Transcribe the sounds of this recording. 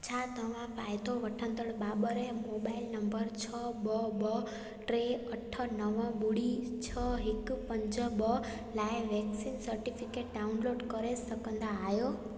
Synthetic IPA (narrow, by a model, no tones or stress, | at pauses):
t͡ɕʰaːt̪əʋ̤ãpaːɪt̪ʰoʋɐʈʰə̃nd̪əɽbaːbəɾẽmoːbaːɪlnɐ̃mbəɾt͡ɕʰəbəbə | ʈɾeɐʈʰə̆nəʋəɓʊɽ̤it͡ɕʰɔɦɪkpə̃ɲd͡ʑəbə | laːɪʋɛːksinsəɾʈifʰɪkeːʈ̚ɖaʊnloːɖkəɾesɐkə̃nd̪aːɦjo